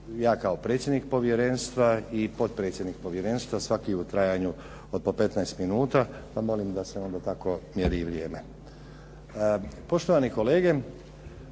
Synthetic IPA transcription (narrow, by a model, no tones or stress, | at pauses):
jaːkao̞pɾe̞ːt̪sʲje̞d̪nik̚po̞ʋje̞ɾe̞nst̪ʋaipo̞t̪̚pɾe̞ːt̪sʲjed̪nik̚po̞ʋje̞ɾe̞ːnst̪ʋasʋakiut̪ɾajaɲu | od̪̚pope̞t̪naest̪minuːt̪apamo̞limd̪aseo̞nd̪at̪ako̞mjeɾiʋɾjeːme | po̞ʃt̪oʋaniko̞le̞ːɡe̞